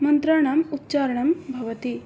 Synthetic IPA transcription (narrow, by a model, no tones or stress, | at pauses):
mɐnt̪ɾaːɳɐmut̪ːt͡ʃaːɾɐɳɐmbʱɐʋɐt̪i